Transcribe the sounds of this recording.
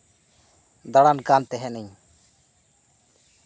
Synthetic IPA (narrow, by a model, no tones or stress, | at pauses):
d̪aɽankant̪ɛɦɛnəɲ